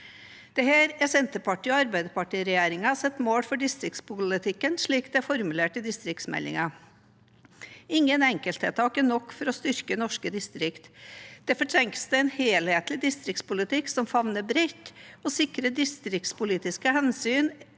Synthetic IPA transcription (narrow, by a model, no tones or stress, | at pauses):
d̪̥ɛhæːɾɛsɛnt̪əpɑʈiːɔɑɾbæɪd̪əpɑʈiːɾɛjeːɾɪŋɑsɛt̪ːmoːɽfɔɖɪst̪ɾɪkt̪spʊlɪt̪ʰɪkːənʂɭiːkd̪ɛæɾfɔɾmʉleːʈəd̪ɪst̪ɾɪk̚t̪smɛ̰lːɪ̰ŋɑ | ɪŋːənɛŋkəlt̪het̪ʰɑːkənɔkːfɔɾɔst̪ʏɾkənɔʂkəd̪ɪst̪ɾɪkt̪d̪̥ɛfɔʈʰɾɛŋkə̥st̪əɛnheːlheːt̪lɪd̪ɪst̪ɾɪkt̪spʊlɪt̪ɪksɔmfɑʋnəbɾɛt̪ːoːsɪkɾəd̪ɪst̪ɾɪk̚t̪spʊliːt̪ɪskəhɛnsyːn